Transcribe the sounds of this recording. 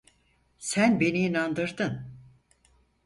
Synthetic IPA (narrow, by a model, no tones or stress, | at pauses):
sænbenijinand̪ɯɾd̪ɯn